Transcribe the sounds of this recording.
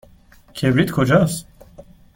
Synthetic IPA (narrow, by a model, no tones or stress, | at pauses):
cʰebɾit̪kʰod͡ʒas